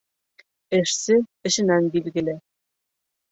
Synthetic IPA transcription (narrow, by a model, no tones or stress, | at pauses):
ɘ̆ʃsɘɘ̆ɕɘ̆nænbilɡɘ̆lʲɘ̆